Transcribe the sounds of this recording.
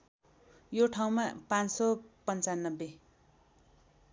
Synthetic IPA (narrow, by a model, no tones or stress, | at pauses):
joʈʰaw̃mapãnsʌpʌnt͡sanːʌbːe